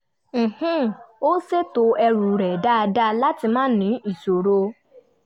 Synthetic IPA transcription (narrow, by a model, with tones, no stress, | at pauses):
m̩˨hũ˦o˦se˦to˨˧˦ɛ˧ɾu˨ɾɛ˨da˦a˧da˦˧la˦ti˧mãː˦nĩ˨˦i˦˨so˨ɾo˧